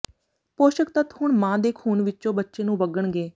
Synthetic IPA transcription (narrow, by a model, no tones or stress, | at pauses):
poːʃəkt̪ət̪hʊɳmãːd̪eːkʰuːɳʋɪtːʃõːbətːʃeːnũːbəɡəɳɡeː